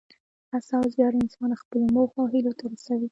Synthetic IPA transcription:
asɑwzjɑɽɪnsɑnaxpəlomoxaɦilot̪aɾasawi

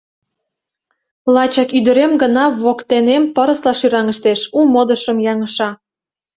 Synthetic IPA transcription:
lɑt͡ɕɑkyd̪əɾemɡənɑβokt̪enempəɾəslɑʃyɾɑŋəʃt̪eʃumod̪əʃəmjɑŋəʃɑ

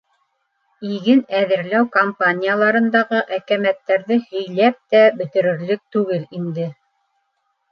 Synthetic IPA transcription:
iɡɘnæðɘ̆ɾlæwkompanʲijalˠɑɾɤ̆nd̪ɑʁɤʔækæmæt̪ːæɾðɘhɵ̆jlæp̚t̪æbɵ̆t̪ɘ̆ɾɘ̆ɾlɘk̚t̪ʉɡɘlind̪ɘ

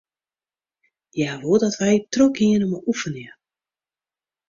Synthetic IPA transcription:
jaʋodɔtʋɛjtroɡiənəmɔʔufənjə

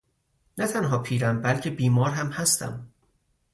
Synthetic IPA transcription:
næt̪ʰænɦɒːpʰiːɾæmbælcʰe̞biːmɒːɾɦæmhæst̪ʰæ̰m

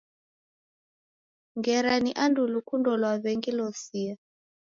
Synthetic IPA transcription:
ŋɡɛɾaniʔandulukundɔlwaβɛŋɡilɔsia

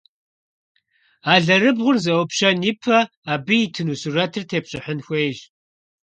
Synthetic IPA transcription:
aːɮɐɾɨbʁʷʊrzɐwʷɔpɕɐnipʰɐ | aːbɨjitʰɨnuːsurɐtʰɨrtʰeːpɕʼɪħənxʷeːʒ

